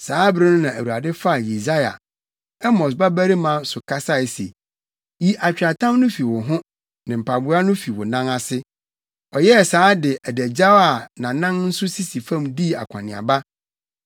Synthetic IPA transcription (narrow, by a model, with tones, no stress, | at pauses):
saː˨˦bɾɪ̃˦nʊ̃˦nã˨æ˨wu˨a˨dɪ˦fa˦˨ji˨za˦ja̰˨ | ɛ˦mɔ˨s̬ba˦bæ˦ɾi˦mã˦sʊ˨kʰa˦sa˦ɛ˨sḛ˨ | ji˦ʔa˨t͡ɕᶣa˨tʰã˦mnʊ̃˦fi˨wʊ̃˨ɦʊ̃˦ | nɪ̃˨m̩˨pʰa˨bʊ˨˦a˦nʊ̃˦fi˨wʊ˨nã˦ŋa˦sɪ˦ | ɔ˨jɛ˦˨saː˨˦dɪ˨ʔæ˨dæ˨d͡ʑa˦wa˨nã˨nã˦nn̩˦sʊ˦si˦si˨fã˦˨mdi˦˨a̰˨kʷʰã̰˨nɪ̃˨a̰˨ba˦